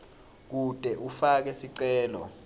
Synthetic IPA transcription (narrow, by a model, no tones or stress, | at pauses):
k̬ud̥ʼʱɛʔufak̬ɛsiǀɛːlɔ̰